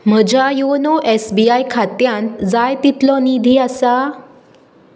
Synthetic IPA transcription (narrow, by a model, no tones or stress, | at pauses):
m̤əd͡ʑʱajonɔʔesbiajkʰat̪jãnt̪d͡zajt̪it̪lɔnid̪ʱiːasa